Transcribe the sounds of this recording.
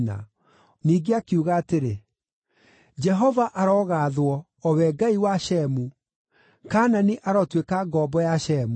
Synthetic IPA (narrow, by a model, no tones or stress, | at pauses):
na̰ | niːɡeakiuɣaːteɾe | d͡ʒɛɦɔvaʔaɾɔɣaːðwɔː | wɛɡaiwaʃɛmu | kananiʔaɾɔtwekaɡɔbɔjaʃɛmu